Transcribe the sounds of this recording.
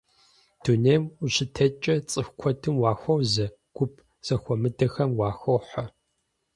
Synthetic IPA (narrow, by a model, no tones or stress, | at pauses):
d̥uneːmuɕɪtʰɐt͡ʃʼɐt͡sʼɨxʷkʷʰɔtʰɨmwɑːxʷɐwzɐ | ɡ̥ʷʊp̚ʰ | z̥ɐxʷɔmɨdɐxɐmwɑːxʷɐwħɐ